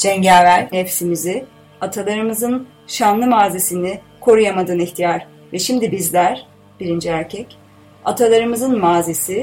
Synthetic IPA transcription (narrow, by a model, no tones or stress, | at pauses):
d͡ʒɛɲɟaːvæɾhɛpsimizi | at̪ʰalˠaɾɯmɯzɯn | ʃanlˠɯmaːzesinɪ | kʰo̞ɾujamad̪ɯːniçt̪ʰijaɾ̥ | vɛʃimd̪ibizlʲæɾ̥ | b̥iɾind͡ʒiæɾcʰɛc | at̪ʰalˠaɾɯmɯzɯnmaːzesi